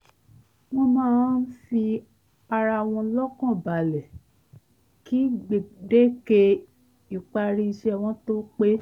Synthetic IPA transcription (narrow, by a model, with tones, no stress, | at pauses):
wɔ̃˧mãː˦n̩˦fi˧ | a˧ɾa˧w̃ɔ̃˧˦lɔ˦kɔ̃˦˨ba˨lɛ˨ | ki˦ɡ͡be˨de˦ke˧ | i˨k͡pa˧ɾi˧i˧ʃɛ˦˨w̃ɔ̃˧˦to˦k͡pe˦